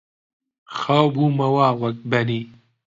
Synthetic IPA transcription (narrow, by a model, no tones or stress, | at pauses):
xawbuːmɐwaːwɐkbɐniː